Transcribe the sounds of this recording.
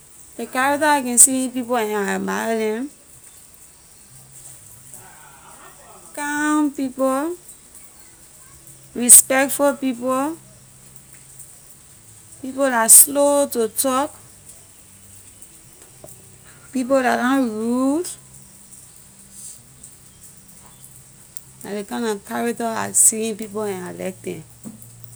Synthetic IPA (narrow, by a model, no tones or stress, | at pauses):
dekaɹaktakɛ̃nsip̬ipoɛ̃nabalɛ̃m | kampipo | ɹispɛk̚tfulpipo | pipodaslotutɔk | pip̬odadɔ̃nɹud | nadekãnãkaɹak̚tɔa̰siĩnpipoɛ̃nalɛ̰k̚dɛ̰̃m